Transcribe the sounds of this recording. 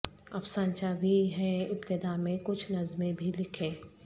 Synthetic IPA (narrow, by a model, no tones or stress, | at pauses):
ɐfsãːnt͡ʃaːʋiɦɛɪpt̪ɪd̪amẽkʊt͡ʃʰnɐzmẽbʱilɪkʰẽː